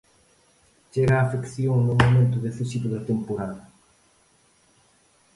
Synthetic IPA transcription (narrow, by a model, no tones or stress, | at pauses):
t͡ʃeɣaːfekθjoŋnʊmomẽnt̪ʊðeθisit̪ʊðɐt̪empoɾaðɐ